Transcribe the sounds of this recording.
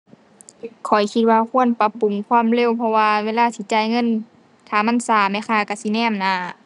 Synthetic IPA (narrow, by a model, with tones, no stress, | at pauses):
kʰɔ˨˩jkʰi˧t̪̚waː˧kʰu˧˨ənpa˧˥pːu˨˦mkʰwaː˧˥˨mle˧˥˨wpʰɔ˧waː˧weː˧˥˨laː˧˥˨t̪ʰiː˧˦t͡ɕaː˧˩˨jŋɤ˧˥˨n | kʰaː˨˩ma˧˥˨nsaː˧˩mɛː˧˩˨kʰaː˧˩ka˧˩si˧˦nɛː˧˥˨mna˧˩˨